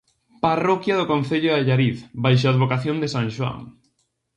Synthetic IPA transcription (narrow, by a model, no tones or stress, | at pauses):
parɔkjaðokõnθeʎʊaʎaɾiθbajʃ̬oaðβokaθjõnd̪esãŋʃwa̰ŋ